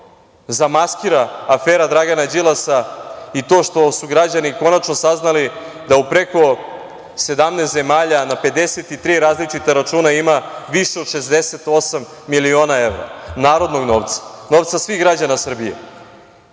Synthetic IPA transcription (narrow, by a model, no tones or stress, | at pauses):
zamaskiɾaːfeːɾad̪ɾaɡanad͡ʑilasait̪o̞ːʃt̪o̞suɡɾad͡ʑaniko̞nat͡ʃno̞saznali | d̪aupɾe̞ko̞ | se̞d̪amnest̪ze̞maːʎanape̞d̪e̞set̪it̪ɾiːɾaːzlit͡ʃit̪aɾat͡ʃuːnaimaʋiʃeod̪ʃe̞zd̪eset̪o̞samːilio̞ːnae̞ʋɾa̰naːɾo̞d̪no̞ɡno̞ːʋt̪sḁno̞ʋt̪sasʋiɣɡɾad͡ʑanasr̩bijḛ